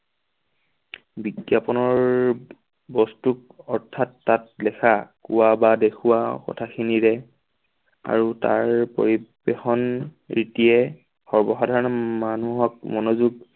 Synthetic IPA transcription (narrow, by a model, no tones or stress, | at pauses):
biɡjapɔnɔɹ | bɔstuk | ɔɹtʰatːat̚lɛxʰakṵwabadekʰuwaxɔ̰tʰaxʰiniɹɛ | a̰ɹuta̰ɹpo̰ɹibexɔn | ɹitijɛ | xɔɹbɔxadʱaɹɔnɔmanuɦɔk̚mɔnozuɡ